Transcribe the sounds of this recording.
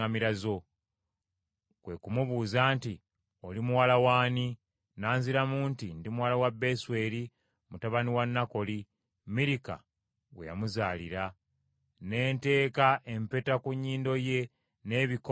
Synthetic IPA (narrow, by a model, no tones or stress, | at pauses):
amiɾazo̞ | kwe̞kumuβuːzaːnti | o̞limuwalawaːni | naːnziɾamuːntindimuwaːlawabːe̞swe̞ːɾi | mutaβaniwanːako̞li | miɾika̰ | wḛja̰muzaːliɾa | ne̞ːnte̞ːkaʔe̞mpe̞takuɲːiːndo̞je̞ | ne̞βik